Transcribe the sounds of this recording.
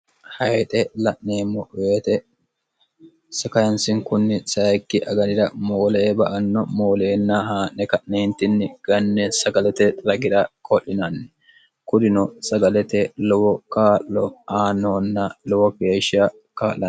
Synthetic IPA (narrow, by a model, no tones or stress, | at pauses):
hɐjt̪ʼɛlɐʔneːmːɔʔʊweːt̪ɛ | sɐkɐjɐnsɪŋkʊnːɪsɐjkːɪʔɐɡɐd̪ɪd̪ɐmoːleːbɐʔɐnːɔmoːle̞ːnːɐɦaːʔnɛkɐʔneːnt̪ɪnːɪɡ̥ɐnːɛsɐɡɐlɛt̪ɛɾɐɡɪd̪ɐkʼɔʔːɪnɐnːɛ | kʊd̪ɪnɔsɐɡɐlɛt̪ɛlɔwɔkaːʔːɔaːnːoːnːɐlɔwɔke̞ːʃːɐ | kaːlɐ